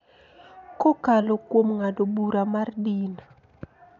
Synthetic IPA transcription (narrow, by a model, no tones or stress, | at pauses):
kokalokwomŋadobuɾamardin